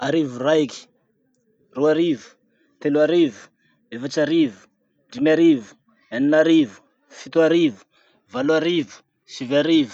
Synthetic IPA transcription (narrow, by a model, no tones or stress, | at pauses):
aɾivurajki̥ | ruaɾivu̥ | t̪eluaɾivu̥ | efat͡ʃaɾivu̥ | ɖ͡ʐimaɾivu̥ | aninaɾivu̥ | fit̪uaɾivu̥ | valuaɾivu̥ | sivaɾivu̥